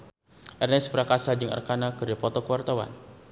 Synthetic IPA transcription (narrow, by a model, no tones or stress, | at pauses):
ʔɛrnɛspəɾakasad͡ʒɨŋə̰rkanakɨrdipɔt̪ɔkəwart̪awa̰n